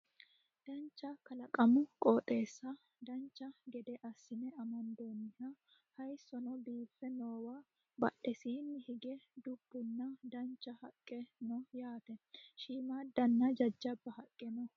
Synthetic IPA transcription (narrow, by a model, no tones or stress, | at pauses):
d̪̥ɐnt͡ʃːɐkɐlɐkʼɐmʊkʼoːt̪ʼe̞ːsːɐ | d̪ɐnt͡ʃːɐɡɛd̪ɛʔɐsːɪnɛɐmɔnd̪onːɪhɐ | hɐjsɔnɔbiːfːɛnoːwa | bɐ̰ʔɛsinːɪhɪɡɛd̪ʊbːʊnːɐd̪ɐnt͡ʃːɐhɐkʼːɛnɔjaːt̪ɛʃiːmaːd̪ɐnːɐd͡ʒɐd͡ʒːɐbːɐhɐkʼːɛnɔ